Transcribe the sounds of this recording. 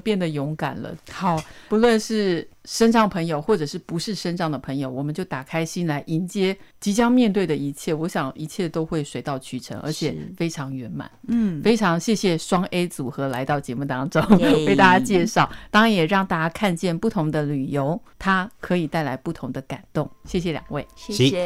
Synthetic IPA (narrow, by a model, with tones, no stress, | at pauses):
pjɛ˥˩nd̪ə˩jʊ˧˥ŋka̰˨˩nlə̰˦xɑ˨˩ʊpu˧˥lwə˥˧nʂɻ̩˥˩ʂə˥nʈ͡ʂɑ˥ŋpʰə˧˥ŋjo˨˧ʊxwɔ˥˩ʈ͡ʂɤ˨˩ʂɻ̩˥˩pu˧˥ʂɻ̩˥˩ʂə˥nʈ͡ʂɑ˥˩ŋd̪ə˩pʰɤ˧˥ŋjo˧˩ʊwɔ˨˩mə˦nt͡ɕjo˥˩ʊt̪a˨˩kʰa˥ɪɕi˥nla˧˥ɪʔi˧˥nt͡ɕjɛ˥t͡ɕi˧˥t͡ɕjɑ˥ŋmjɛ˥˧nt̪we˥˩ɪd̪ə˩i˧˥t͡ɕʰjɛ˥˩wɔ˧˥ɕjɑ˨˩ŋi˧˥t͡ɕʰjɛ˥˩t̪o˥ʊxwe˥˩ɪʂwe˧˥ɪt̪ɑ˥˩ʊt͡ɕʰy˧˥˩ʈ͡ʂʰə̰˧˥ŋʔə̰˞˧˥t͡ɕʰjɛ˨˩fe˥ɪʈ͡ʂʰɑ˧˥ŋɥɛ˧˥nma̰˨˩nfe˥ɪʈ͡ʂʰɑ˧˥ŋɕjɛ˥˧ɕjɛ˥˩ʂwɑ˥ŋe˥ɪt͡su˨˩xɤ˧˥la˧˥ɪt̪ɑ˥˩ʊt͡ɕjɛ˧˥mu˥˩t̪ɑ˥ŋʈ͡ʂʊ˥ŋwe˥˩ɪt̪a˥˩t͡ɕja˥t͡ɕjɛ˥˧ʂɑ˥˩ʊt̪ɑ˥ŋɻa˧˦njɛ˨˩ɻɑ˥˧ŋt̪a˥˧˩t͡ɕja˥kʰa˥˧nt͡ɕjɛ˥˧npu˥˩t̪ʰʊ˧˥ŋd̪ə˧ly˨˩jo˧˥ʊt̪ʰa˥kʰɤ˧˥i˨˩t̪a˥˩ɪla˧˥ɪpu˥˩t̪ʰʊ˧˥ŋd̪ə˨ka̰˨˩nt̪ʊ˥˩ŋɕjɛ˥˩ɕjɛ˨˩ljɑ̰˨˩ŋwe˥˩ɪ˥